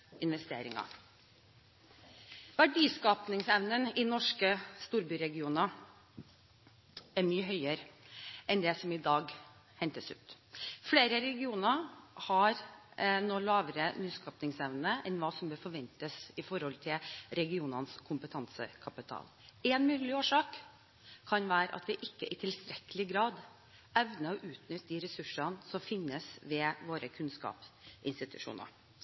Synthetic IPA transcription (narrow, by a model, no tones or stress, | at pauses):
ɪnʋɛst̪ḛːɾɪ̰ŋɑ̰ | ʋæɖiːskɑːpnɪŋsɛʋnənɪnɔʂkəst̪uːɾbyːɾɛɡɪuːnɑ | æɾmyːəɦœʏəɾɛnd̪ɛsɔmɪd̪ɑːɡ | hɛnt̪əsʉ̰ːt̪fleːɾəɾɛɡɪuːnɑhɑɾnoːlɑːʋəɾənyːskɑːpnɪŋsɛʋnəʔɛnʋɑːsɔmbøːɾfɔʋɛnt̪əsɪfɔɾhɔlt̪ʰɪlɾɛɡɪuːnɑnskʰʊmpət̪ʰɑnsə̰kʰɑpɪt̪ʰɑ̰ːl | ɛnmʉːlɪoːʂɑːkʰː | ɑnʋæːɾə̰ʔɑ̰t̪ʰʋɪʔɪkːəʔɪt̪ʰɪlst̪ɾɛkəlɪɡɾɑːd̪ | ɛʋnəɔʔʉːt̪nʏt̪ːd̪iːɾɛsʉʂɑnsɔmfɪnːəsʋɛʋoːɾəkʰʉnskɑ̰ːpsɪ̰nst̪ɪt̪ʉ̰ʂṵːnə̰ɾ